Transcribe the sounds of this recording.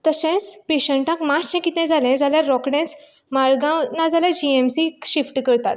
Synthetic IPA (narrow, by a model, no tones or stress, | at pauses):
t̪əsẽt͡speɕəɳʈãkmast͡ɕẽkit̪nɛ̃d͡zalɛ̃d͡zaljaɾːɔkɳɛ̃t͡s | maɾɡãnad͡zaljad͡ʑiemsiɕifʈkəɾt̪at̪